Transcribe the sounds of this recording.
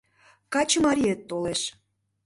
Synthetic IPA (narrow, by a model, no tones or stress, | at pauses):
kɑt͡ɕəmɑɾʲiet̪ːoleʃ